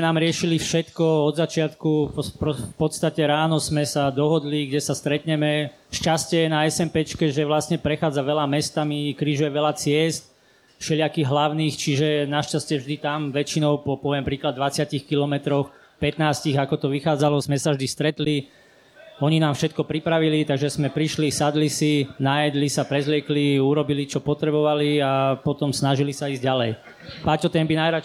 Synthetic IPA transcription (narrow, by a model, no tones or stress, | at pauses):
ɛnaːmɾɪɛʃilifʃɛt̪kɔɔd̪zat͡ʃɪat̪kuppɔpɔt̪st̪acɛɾaːnɔsmɛsad̪ɔɦɔd̪liɡɟɛsast̪ɾɛt̪ɲɛmɛ | ʃcascɛjɛnaɛsɛmpɛt͡ʃkɛʒɛʋlasɲɛpɾɛxaːd͡zaʋɛlamɛst̪amikɾiʒujɛʋɛlat͡sɪɛst̪̚ | ʃɛlɪakiɦɦlaʊniːxt͡ʃiʒɛnaʃcascɛvʒd̪it̪amʋɛt͡ʃinɔʊpɔpɔjɛmpɾiːklad̪ʋat͡sɪacixkilɔmɛt̪ɾɔx | pɛt̪naːsciɣakɔt̪ɔʋixaːd͡zalɔzmɛsavʒd̪ist̪ɾɛt̪li | ɔɲinaːmfʃɛt̪̚kɔpɾipɾaʋilit̪aɡʒɛsmɛpɾiʃlisad̪lisinajɛd̪lisapɾɛzlɪɛkliuɾɔbilit͡ʃɔpɔt̪ɾɛbɔʋaliapɔt̪ɔmsnaʒilisaiːzɟalɛj | pacɔt̪ɛmbinajɾat͡ʃ